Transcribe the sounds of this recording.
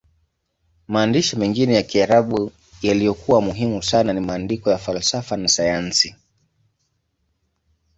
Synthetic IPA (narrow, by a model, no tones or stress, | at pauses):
maːndiʃɔmɛŋɡinɛjakiaɾaɓu | jalijɔkuwamuɦimusananimaːndikɔjafalsafanasajansi